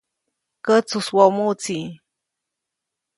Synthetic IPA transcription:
kət͡suswomut͡si

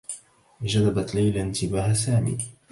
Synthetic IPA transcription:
d͡ʒadabat̪lajlaɪnt̪ɪbaːhasaːmḭː

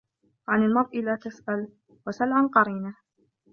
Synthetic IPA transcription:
ʕanalmɑɾˤʔɪlaːt̪asʔal | wasalʕanqɑɾiːna

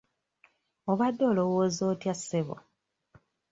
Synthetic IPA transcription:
oβadːo̞ːlo̞woːzo̞ːtjaseβo̰

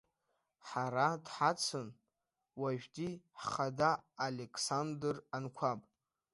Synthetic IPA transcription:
ħaɾadħat͡sʰɨn | waʒᶣdiħχadaːlekʰʼsandɨrankʷʰapʼ

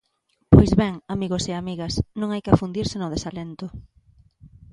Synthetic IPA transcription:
pojzβɛŋamiɣoseamiɣɐsnõŋajkafund̪iɾsɪnʊðesalent̪ʊ

